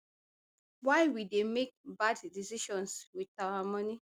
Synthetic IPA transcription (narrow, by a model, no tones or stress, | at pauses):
waɪwidemek̚baddisiʃɔ̃nswidawamɔni